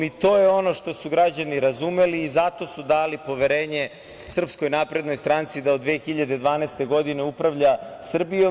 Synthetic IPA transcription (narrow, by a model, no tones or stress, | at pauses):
it̪o̞ːjeo̞no̞ʃt̪o̞suɡɾad͡ʑaniɾazume̞liːzat̪o̞sud̪aːlipo̞ʋe̞ɾeːɲe̞ | sr̩psko̞jnapɾed̪no̞jst̪ɾant̪sid̪aod̪ʋeːxiʎad̪e̞d̪ʋaːnest̪e̞ɡo̞d̪ine̞upɾaʋʎasr̩bijo